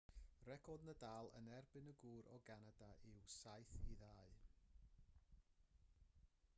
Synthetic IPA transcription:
rɛkʰɔdnədaːlˠə̰nɛrbɨnəɡuːɾɔɡanadaʔɪwsajθiðaːɨ

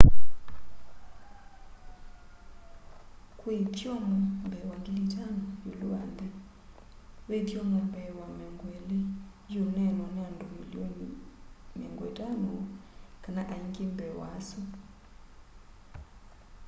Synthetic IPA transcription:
kwet̪jɔnɔmbɛwaŋɡilitanɔjoluandɛ | wet̪jɔnɔmbɛwamɛŋɡwɛle | jonɛnɔnɛandɔmilionimɛ̰ŋɡwɛ̰tanokanaʔaiŋkembɛwa̰su

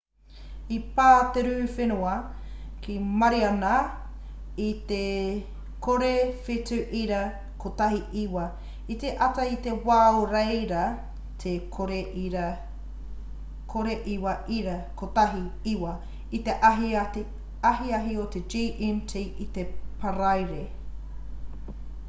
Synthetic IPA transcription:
ipaːt̪eɾʉːfenuɐkimɐɾiɐna | it̪e | kʰoɾefitʉʔiɾɐ | kʰot̪aɦiʔiwɐ | it̪eʔɐtɐit̪ewaːoɾejɾɐ | t̪ʰekʰoɾeiɾɐ | kʰoɾeʔiwɐʔiɾɐkot̪aɦiiwɐ | it̪eʔaɦi | ɐɦiɐɦiot̪ed͡ʒiːʔintʰiʔit̪epʰɐɾajɾe

